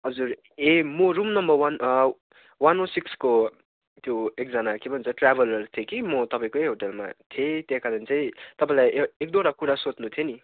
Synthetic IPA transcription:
ɦʌd͡zur | emoɾumnʌmbʌrwan | wanosiksko | t̪joek̚d͡zʌnakebʱʌnut͡sʰʌʈrabʱʌlʌrt̪ʰjekimʌt̪ʌpaĩkoeɦoʈelma̰t̪ʰet̪jekad͡zʌnit͡saĩt̪ʌpãĩlajek̚d̪oɾakuɾasot͡snut̪ʰjeni

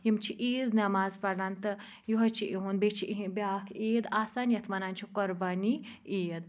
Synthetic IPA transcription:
jimt͡ʃʰiʔiːznɐmaːzpɐɾnant̪ɨ | juɦɐt͡ʃʰiʔiɦunbet͡ʃʰiʔiɦĩbjaːkʰeːd̪aːsaːnjɐt̪ʰmɐnaːnt͡ʃʰikɔɾbɐnieːd̪

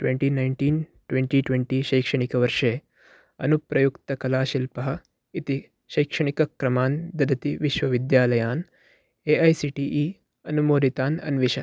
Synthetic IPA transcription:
ʈweɳʈiːnajɳʈiːnʈweɳʈiːʈweɳʈiːʃɐjkʂɐɳikɐʋɐɾʃeː | ɐ̰nupɾɐjukt̪ɐkɐlaːʃilpɐɦɐ̆ | it̪i | ʃɐjkʂɐɳ̃ikɐkɾɐmaːnd̪ɐd̪ɐt̪iʋiʃʋɐʋid̪jaːlɐjaːn | eːɐjsiːʈiːʔiː | ɐnumoːd̪it̪aːnɐ̰nʋiʃɐ

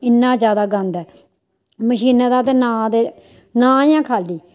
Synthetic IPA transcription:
ɪnːãːzjaːd̪aːɡə̃nd̪ɛː | məʃiːneːd̪aːt̪eːnãːd̪eː | nãːjãːkʰaːliː

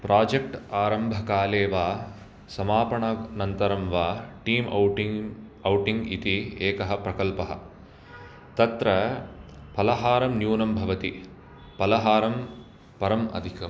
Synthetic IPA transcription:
pɾʔaːd͡ʒek̚ʈaːɾɐmbʱɐkaːleːʋaː | sɐmaːpɐɳɐnɐnt̪ɐɾɐmʋaːʈiːm | ɐwʈiŋɡit̪ieːkɐɦɐ̆pɾɐkɐlpɐɦɐ̰ | t̪ɐt̪ɾɐ | pɐlɐɦaːɾɐmnjuːnɐmbʱɐʋɐt̪i | pɐlɐɦaːɾɐm | pɐɾɐmɐ̰d̪ʱikɐm

